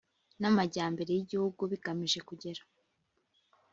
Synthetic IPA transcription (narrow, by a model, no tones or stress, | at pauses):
namaɟaːmbe̞ɾe̞jiɟihuɡuβiɡamiʒe̞kuɟe̞ɾḁ